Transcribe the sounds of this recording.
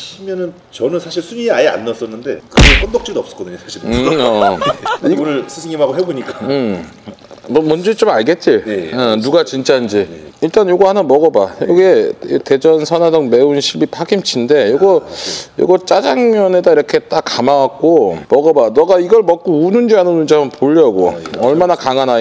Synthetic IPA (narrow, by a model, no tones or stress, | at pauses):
ɕʰimjʌnɯn | t͡ɕʌnɯnsʰaɕʰiɭsʰuɲieajea̰nːas͈ʌnːɯnde̞kɯɡepʰʌndok̚t͡ɕ͈idʌp̚s͈ʌ̥k͈ʌdɯɲosʰaɕʰiɾʌ | iʌnɯɭsʰɯsʰeŋimaɡoɦeboɲik͈aɯ | mʌmʌnd͡ʑet͡ɕ͈omaɭɡe̞t̚t͡ɕ͈iɭeʌnuɡat͡ɕint͡ɕ͈aind͡ʑiiɭt͈anjoɡʌhanʌmʌɡʌbajoɡiete̞d͡ʑʌnsʰʌnadʌŋme̞unɕʰibipʰaɡimt͡ɕʰinde̞joɡʌjo̰ɡʌt͡ɕ͈ad͡ʑaŋmjʌnedaiɾʌkʰe̞t͈akamawak̚k͈omʌɡʌbanʌɡaiɡʌɭmʌk̚k͈ounund͡ʑianɯnund͡ʑiamɯnpoʎːʌɡo̰ʌɭmanakaŋɦana